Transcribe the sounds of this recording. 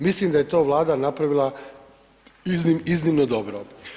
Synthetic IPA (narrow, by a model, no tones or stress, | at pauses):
mislimd̪ajet̪o̞ːʋlˠaːd̪anapɾaʋilˠa | iznimiznimnod̪o̞bɾo